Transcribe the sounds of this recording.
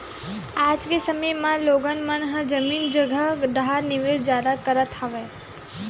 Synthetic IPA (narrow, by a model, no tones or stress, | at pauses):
ad͡ʒkesəməjmãloɡənmanɦəd͡ʒəmind͡ʒəɡʱad̪ɦaɾniʋeɭd͡ʒjad̪akəɾət̪ʰaʋe